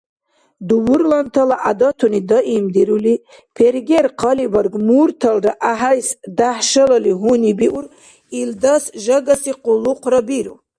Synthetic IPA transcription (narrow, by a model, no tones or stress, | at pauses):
d̪uwuɾlant̪ʰalaʔad̪ɑt̪ʰunid̪əʔimd̪iɾuli | pʰeɾɡeɾqʰɑlivəɾɡmuɾt̪ʰalɾaʔaɦajsd̪ahʃələliɦunibiʔuɾ | ild̪asʒəɡasiquluqɾabiɾṵ